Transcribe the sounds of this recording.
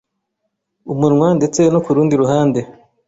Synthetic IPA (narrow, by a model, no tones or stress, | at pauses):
umuɾŋwande̞t͡se̞nokuɾuːndiɾuɦaːnde̞